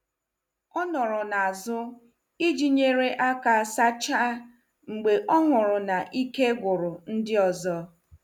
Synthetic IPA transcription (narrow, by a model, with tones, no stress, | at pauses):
ɔ˦nɔ˨ɾʊ˨na˨a˨zʊ˦ | i˦d͡ʒi˦ɲe˦ɾe˦ʔa˦ka˦sa˦t͡ʃa˦ | ŋ͡m̩˨ɡ͡be˨ʔɔ˦ŋʊ˨ɾʊ˨na˨ʔi˦ke˦ɡʷʊ˨ɾʊ˨n̩˦dɪ˦ɔ˨zɔ˦